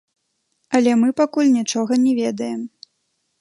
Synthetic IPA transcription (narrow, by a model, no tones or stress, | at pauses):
ɐlʲɛmɨpakulʲnʲit͡ʂɔɣɐnʲɛvʲɛd̪ɐjɛm